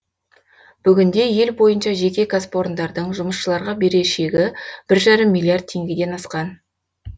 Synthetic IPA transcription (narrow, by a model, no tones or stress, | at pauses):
b̥ʏɡʲɪnd̪e̞je̞lbo̞jənʃɑʒe̞kʲe̞ɡaspo̞ɾnd̪ɑɾd̪əɴʒʊməsʃəlˠɑɾʁɑbe̞ɾe̞ʃe̞ɡʲɪb̥ɪɾʒɑɾəmːijlʲˠiard̪̚tʰe̞ŋɡʲɪd̪e̞nɑsqɑn